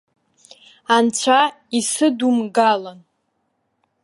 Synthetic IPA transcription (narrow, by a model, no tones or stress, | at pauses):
ant͡ɕʷʰa | isɨdumɡalan